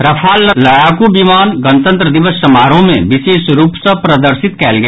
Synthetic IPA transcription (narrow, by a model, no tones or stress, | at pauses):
ɾɐpʰaːlːlɐɽaːkubimaːnɡənt̪ə̃nt̪ɾəd̪ɪʋəsːɐmaːɾõmḛ̃ʋɪʃeːsɾuːpsɐ̃pɾɐd̪əɾsɪt̪kɛːlɡɐ